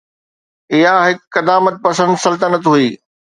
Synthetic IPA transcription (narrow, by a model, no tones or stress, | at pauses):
ɪɦaɦɪkːɐd̪aːmət̪̚pɐsə̃nd̪sɐlt̪ənət̪ɦuiː